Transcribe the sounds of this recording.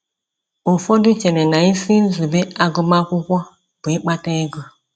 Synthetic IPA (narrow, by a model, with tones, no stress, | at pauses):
o˨fɔ˦du˦t͡ʃɛ˨nɛ˨na˨i˦si˦n̩˦zu˨be˦a˦ɡu˦ma˦kʷu˦kʷɔ˦ | b̥e˦k͡pa˦te˦ɡu˦